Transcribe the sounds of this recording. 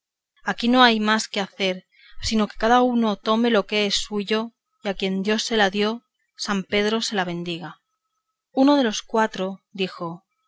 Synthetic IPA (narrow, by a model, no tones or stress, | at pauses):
akino̞ajmaske̞aθe̞ɾ | sino̞ke̞̥kaðauno̞t̪o̞me̞lo̞ke̞esːuʝo̞ | jakje̞nd̪jo̞sːe̞laðjo̞ | sampe̞ðɾo̞se̞laβ̞ẽ̞nd̪iɣ̞a | uno̞ð̞e̞lo̞skwat̪ɾo̞d̪ixo̞